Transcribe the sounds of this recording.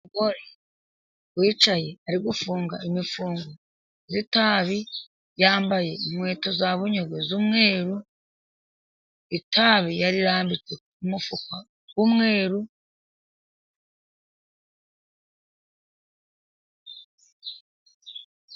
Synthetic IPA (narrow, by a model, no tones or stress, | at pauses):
ɡoɾe | wiːt͡ʃaje̞aɾiɡufuːŋɡa̰imifuːŋɡo | zitaβi | jaːmbaje̞imwe̞ːto̞zaβuɲoɡezumŋe̞ːɾu | itaβijaɾiɾaːmbit͡se̞ | umufukwa | ɡumŋe̞ːɾu